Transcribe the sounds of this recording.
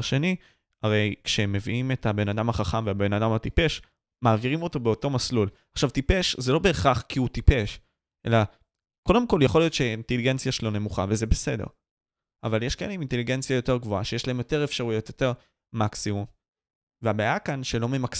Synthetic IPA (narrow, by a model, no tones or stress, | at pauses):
ʃe̞ni | aʁe̞jkʃeme̞viime̞tabe̞nadamhaχaχamveabe̞nadamatipe̞ʃ | maːviʁimo̞to̞be̞o̞to̞maslul | aχʃavtipe̞ʃzelo̞be̞ːχaχkiutipe̞ʃ | ʔe̞̰la | ko̞demko̞ljaχo̞lijo̞t̪ʃeinteliɡe̞nt͡sjaʃelo̞ne̞muχavezebese̞de̞̰ʁ | avaljeʃkaeeiminte̞liɡe̞nt͡sjajo̞te̞ʁɡvo̞aʃejeʃlae̞mjo̞te̞ʁe̞fʃaʁujo̞t̪jo̞te̞ʁ | maksimum | veabeaːjakanʃe̞lo̞me̞mak